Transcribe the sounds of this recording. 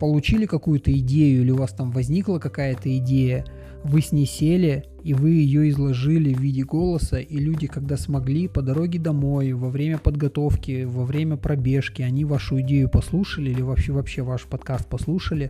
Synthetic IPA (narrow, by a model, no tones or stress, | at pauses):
pəlˠʊt͡ɕilʲɪkɐkujʊt̪əɪdʲejʊilʲɪʊvast̪amvɐzʲnʲiklˠəkɐkajət̪əɪdʲejə | vɨsʲnʲɪsʲelʲɪ | ivɨjɪjoɪzlˠɐʐɨlʲɪvːʲidʲɪɡo̞lˠəsəʔilʲudʲɪkɐɡ̚d̪asmɐɡlʲipəd̪ɐɾo̞ɡʲɪd̪ɐmo̞jvɐvɾʲemʲəpəd̪ɡɐt̪o̞fkʲɪvɐvɾʲemʲəpɾɐbʲe̞ʂkʲɪɐnʲivaʂʊɪdʲejʊpɐslˠuʂəlʲɪilʲɪvɐpɕːevɐpɕːevaʂpɐt̪kast̪̚pɐslˠuʂəlʲɪ